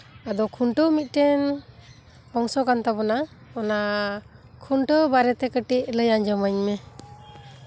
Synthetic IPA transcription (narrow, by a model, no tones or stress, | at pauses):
ad̪ɔkʰuɳʈəmit̪̚ˀʈɛn | hɔŋsɔkant̪abɔna | ɔna | kʰuɳʈəbaɾɛt̪ɛkəʈiʔləjaɲd͡ʒɔməɲmɛ